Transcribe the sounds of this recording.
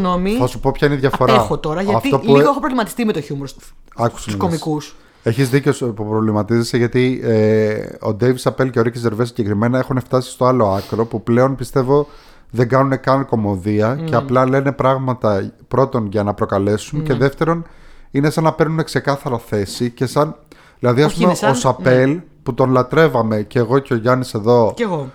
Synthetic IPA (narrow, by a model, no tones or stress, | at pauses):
nomiθɐsupo̞pçɐineiðʝɐffo̞ɾɐxot̪o̞ɾɐʝɐɐftio̞luoexopɾovlimɐt̪i̥st̪imet̪oçumɾs | ɐkku̥suskomikus | e̞çizðiceospupɾovlimɐt̪izeseʝɐt̪ieo̞̰d̪ejvisɐpelceoɾiceze̞ɾves̬iɲɟekɾime̞nɐexuneft̪ɐsi̥st̪o̞ɐlo̞ɐkɾo̞puple̞o̞npist̪e̞vo̞ | ðe̞ɡɐnune̞kɐnko̞mo̞ðiɐce̞ɐplɐle̞ne̞pɾɐɣmɐt̪ɐpɾo̞t̪o̞nʝɐnɐpɾo̞kɐle̞sunce̞ðe̞ft̪e̞ɾo̞nine̞sɐnːɐpe̞ɾnune̞kse̞kɐθɐɾɐθe̞sice̞sɐn | ðilɐðiɐspumeosɐpe̞lput̪o̞nlɐt̪ɾe̞vɐme̞ce̞ːɣo̞ceoʝɐnise̞ðo̞eɣo